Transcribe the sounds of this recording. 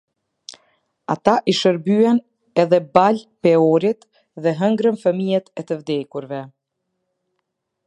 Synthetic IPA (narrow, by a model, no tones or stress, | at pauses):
at̪aʔiʃəɾbyɛn | ɛðɛbalpɛɔɾit̪ | ðɛɦəŋɡɾənfəmijɛt̪ɛt̪əvd̪ɛkuɾvɛ